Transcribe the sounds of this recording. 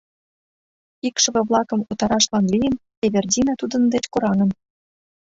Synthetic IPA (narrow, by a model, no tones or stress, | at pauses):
ikʃɤ̆βĕβlˠɑkɤ̆mut̪ɑɾɑʃlɑnlʲijəm | eβʲerdʲinɑt̪ud̪ə̆nd̪et͡ɕkuɾɑnə̆m